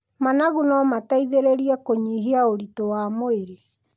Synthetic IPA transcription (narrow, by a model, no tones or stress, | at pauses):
manaɣunɔmataiðeɾeɾiɛkoɲiɦeaoɾitɔwamoeɾe